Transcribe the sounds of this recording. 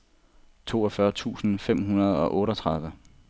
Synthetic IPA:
t͡sʰo̝̰ːɒfɶɐt͡sʰṵːsn̩fem̰ɦunɐð̞ˠɒ̽ʔɔ̽ːɾɒt͡sʰʁäð̞ˠʋə

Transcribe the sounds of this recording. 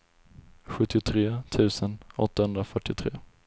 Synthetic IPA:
ɧɵt̪ːɪʊt̪ʰɾeːt̪ʰʉ̟ːsənɔ̰t̪ːahɵnd̪ɾafœʈːɪʊt̪ʰɾḛː

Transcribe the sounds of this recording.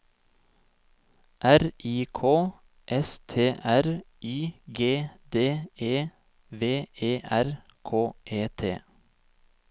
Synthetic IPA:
ʔæɾʔiːkʰoː | ʔɛst̪ʰeːʔæɾ | yːɡeːd̪eːeː | ʋeːeːʔæɾ | kʰoːʔeːt̪ʰḛː

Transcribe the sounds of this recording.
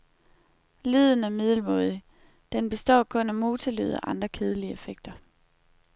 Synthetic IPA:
lið̞ˠn̩æɐmið̞ˠl̩mɔ̽ːðˠi | d̥enb̥e̝sd̥ɒ̰ːkʰɔ̽næmo̝ːt͡sʰely̰ðˠɒ̰ʔɑ̈nd̥ʁɐkʰeːð̞ˠəliəefeɡ̥̚d̥ɐ

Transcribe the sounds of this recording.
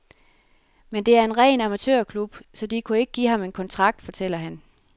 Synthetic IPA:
mend̥e̝æɐe̝nʁɛ̰ːnɑ̈mæt͡sʰø̰ɐkʰlub̥sɒ̽d̥ikʰue̝ɡ̥əɡ̥ḭːhɑ̈me̝nkʰɒ̽nt͡sʰʁɑ̈ɡ̥̚d̥fɒ̽t͡sʰel̰ɐɦæn

